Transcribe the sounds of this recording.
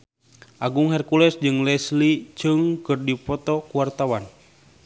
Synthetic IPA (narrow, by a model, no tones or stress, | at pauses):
ʔaɡuŋhɛrkulɛsd͡ʒɨŋlɛslit͡ʃɨŋkɨrdipɔt̪ɔkuwart̪awan